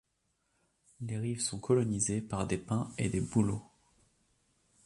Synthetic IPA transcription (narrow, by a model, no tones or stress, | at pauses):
leʁivsɔ̃kɔlɔnizepaʁd̪epɛ̃ed̪ebulo